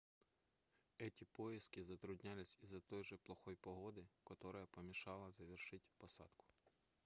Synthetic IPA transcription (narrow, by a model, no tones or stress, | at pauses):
ɛtʲipɔjiskɪzɐt̪ɾʊdʲnʲalʲɪsʲizɐt̪ɔjʒɛplˠɔxɔjpɔɦɔd̪ɪkɔt̪ɔɾɔjɐpɔmʲiʃɑlˠɐzɐʋʲirʃɪtʲpɔsɑ̰d̪̥kʊ̥